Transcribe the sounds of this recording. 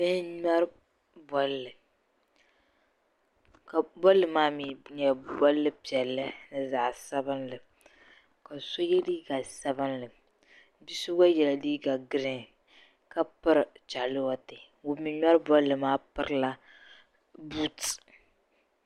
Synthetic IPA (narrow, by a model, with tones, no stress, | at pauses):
bɨ˦ɲa˦ɾ | bɔ˨lːɨ˨ | ka˨bɔ˦lːɨ˨maː˦mi˨ɲɛ˨bɔ˦lːɨ˦pi˨ɛ˨lːɨ˦nɨ˨za˨ʔsa˦bɨ˦nlɨ˨ | ka˨so˦jɛ˦diː˦ɡa˨sa˦bɨ˦nlɨ˨ | bi˦sʊ˦ɡa˦jɛ˨la˨diː˦ɡa˨ɡɨ˦ɾɨ˦ | ka˦pɨ˦ɾt͡ʃa˨lɨ˦wɔ˦tɪ˨ | o˨mi˨ɲa˦ɾbɔ˦lːɨ˨maː˦pɨ˦ɾɨ˦la˦ | bu˦t